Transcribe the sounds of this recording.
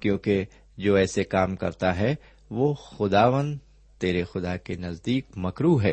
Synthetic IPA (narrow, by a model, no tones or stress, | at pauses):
kjõːke | d͡ʒoːɛːsekaːmkɐ̰ɾt̪aɦɛ | ʋoːxʊd̪aːʋənd̪ | t̪eːɾexʊd̪akenɐzd̪iːkmɐkɾuːɦɦɛː